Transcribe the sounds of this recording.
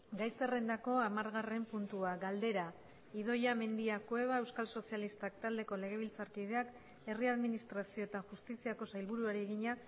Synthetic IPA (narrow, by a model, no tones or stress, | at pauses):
ɡajse̞re̞nd̪ako̞amaɾɣare̞mpunt̪uaɡald̪e̞ɾa | ið̞o̞jame̞nd̪iakwe̞β̞ae̞wskalso̞sialist̪ak̚t̪ald̪e̞ko̞le̞ɣe̞β̞ilt͡saɾkið̞e̞ak | e̞riaðminist̪ɾasio̞t̪axust̪isiako̞sajlβuɾuaɾeɣiɲa